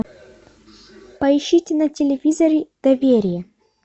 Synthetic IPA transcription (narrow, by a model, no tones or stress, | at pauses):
pɐɪɕːitʲɪnɐtʲɪlʲɪvʲizɐɾʲɪd̪̥ɐvʲeɾʲɪjə